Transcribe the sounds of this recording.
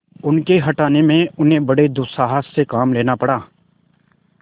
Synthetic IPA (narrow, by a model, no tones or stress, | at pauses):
ʊnkeɦɐʈaːnemẽʊnɦẽbɐɽed̪ʊsaːɦəsːekaːmleːnapɐɽaː